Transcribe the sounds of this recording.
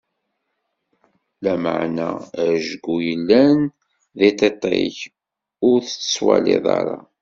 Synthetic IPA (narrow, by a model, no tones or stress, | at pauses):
læməʕnæʒɡujəlːæn | ðit̪et̪ˤḛç | ʊɾθt͡sːə̥swæleðˤɑ̰ɾˤɑ